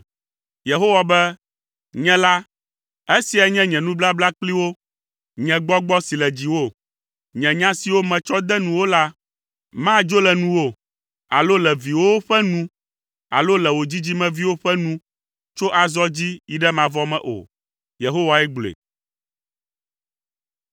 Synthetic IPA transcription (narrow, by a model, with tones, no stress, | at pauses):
je˨ɦo˦wa˨bɛ˦ | ɲɛ̃˦la˦ | e˦si˨ɛ˨ɲɛ̃˦ɲɛ̃˨nũ˦bla˦bla˦k͡pli˦wo˦ | ɲɛ̃˨ɡ͡bɔ˦ɡ͡bɔ˦si˨lɛ˨d͡ʑi˨wo˦˨ | ɲɛ̃˨ɲã˦si˨wo˦mɛ̃˨t͡ʃɔ˦d̪ɛ˦nũ˨wo˦la˦ | mã˦d͡ʒo˦lɛ˨nũ˦wo˦ | a̰˨lo˦lɛ˨vi˨wo˦o˦ɸɛ˦nũ˦ | a̰˨lo˦lɛ˨wo˨d͡ʑi˦d͡ʑi˦mɛ̃˨vi˦wo˦ɸɛ˦nũ˦ | t͡ʃo˦ʔa˨zɔ˦d͡ʑi˦ji˦ɖɛ˦mã˨vɔ˦mɛ̰̃˦ʔo̰˨ | je˨ɦo˦wa˨ɛ˦ɡ͡blḛ˨